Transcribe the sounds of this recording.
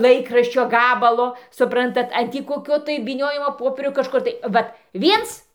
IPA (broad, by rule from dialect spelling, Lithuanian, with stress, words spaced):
ˈlˠɐɪkrɐʃʲt͡ʃʲoː ˈɡɑːbɐlˠoː sʊˈprɐntɐt ɐn ˈtʲiː koːˈkʲoː tɐɪ ʋʲiːˈnʲoːjɪmoː ˈpoːpʲiɛrʲoː kɐʃˈkʊr tɐɪ ˈʋɐt ˈʋʲiɛns